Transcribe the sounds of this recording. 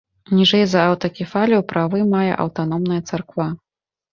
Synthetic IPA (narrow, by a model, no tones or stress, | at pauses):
nʲiʐɛjzɐawt̪ɐkʲɛfalʲɛwpɾavɨmajɛ̰ʔɐ̰wt̪an̪ɔmnɐjɐt̪sarkva